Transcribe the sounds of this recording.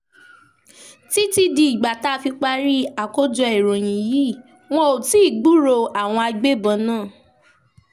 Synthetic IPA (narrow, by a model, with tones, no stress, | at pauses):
ti˦ti˦di˧i˨ɡ͡ba˨ta˦˧˦fi˧k͡pa˧ɾi˦a˨ko˦d͡ʒɔ˧e˨ɾo˨j̃ĩ˨jiː˦˨ | w̃ɔ̃˦o˨ti˨˦i˦˨ɡ͡bu˦ɾo˧a˨w̃ɔ̃˧a˧ɡ͡be˦bɔ̃˧˦nãː˦˨